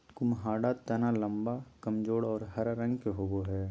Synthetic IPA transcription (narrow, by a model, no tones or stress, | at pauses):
kʊmɦaːɖat̪ɐnalɐ̃mbakɐmd͡ʒoːɽɔːɾɦɐɾːɐ̃ŋɡkeɦoːboɦɛː